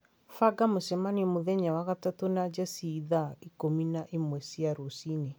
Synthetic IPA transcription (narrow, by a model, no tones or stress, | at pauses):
faɡamosɛmaniɛmoðɛɲawaɣatatonad͡ʒasiðaikominaʔemwɛsiaɾosine